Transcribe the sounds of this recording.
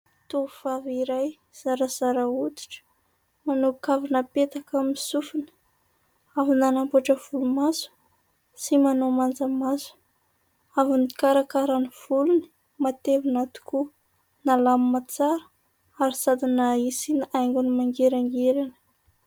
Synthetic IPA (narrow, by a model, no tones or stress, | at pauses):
t̪ofaviɾaj | z̥aɾazaɾaut̪i̥ʈ͡ʂə̥ | manukavinəpet̪akamisufinə̥ | avinanampuaʈ͡ʂəv̥ulumazu̥ | simanomand͡zəmazu̥ | avunikaɾakaɾaniv̥uluni̥ | mat̪evinat̪u̥ku | nalamimat͡saɾə̥ | aɾisad̪inaisinajŋɡunimaŋɡeɾaŋɡeɾanə̥